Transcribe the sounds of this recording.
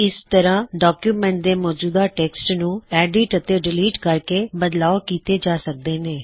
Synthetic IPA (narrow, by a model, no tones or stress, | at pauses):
ɪst̪əɾãːɖaːkjuːmɛ̃ːɳʈ̚d̪eːmɔːd͡ʒuːd̪aːʈeːksʈnũːɛːɖɪʈət̪eːɾɪliːʈkəɾkeːbəd̪laːokiːt̪eːd͡ʒaːsək̚d̪eːneː